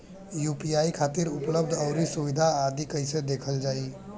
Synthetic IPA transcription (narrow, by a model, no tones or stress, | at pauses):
jupiaikʰat̪iːɾupləbd̪ʱəwɾisuʋid̪ʱaːd̪iːkəjsed̪ekʰəld͡ʒaiː